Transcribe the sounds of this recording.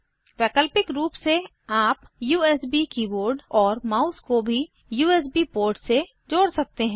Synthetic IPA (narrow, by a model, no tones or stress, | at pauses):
pɛːkəlpɪkɾuːpse | aːpjuːɛːsbikiboːɾɖɔːɾmaːʊskobʱi | juːɛːs̬bipoːɾʈse | d͡ʒoːɽsɐk̚t̪eɦɛ̃ː